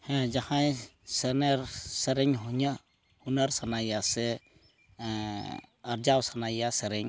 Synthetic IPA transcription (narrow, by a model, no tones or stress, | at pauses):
hɛ̃d͡ʒahajsɛnɛɾsɛɾɛŋɦuɲa | hunaɾsanajasɛ | aɾd͡ʒawsanajasɛɾɛɲ